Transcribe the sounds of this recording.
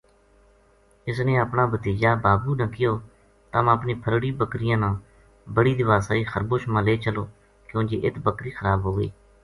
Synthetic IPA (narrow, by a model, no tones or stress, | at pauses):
ɪsneːəpnaːbət̪iːd͡ʒaːbaːbuːnəkɪjoː | t̪əməpniːpʰəɾɽiːbəkɾɪjãːnãː | bəɽiːd̪ɪʋaːsaːiːxəɾboːʃmãːleːt͡ʃəloː | kjõːd͡ʒḛːʔɪt̪bəkɾiːxəɾaːbɦoːɡəḭː